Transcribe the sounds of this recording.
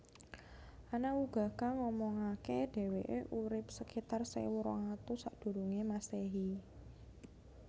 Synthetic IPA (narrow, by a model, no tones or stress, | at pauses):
ʔanauɡ̥a̤kaŋɔmɔŋakeɖ̥e̤weʔeʔuɾɪp̚səkit̪arsḛwuɾɔ̰ŋat̪usaʔd̪̥ṳɾuŋemaseɦi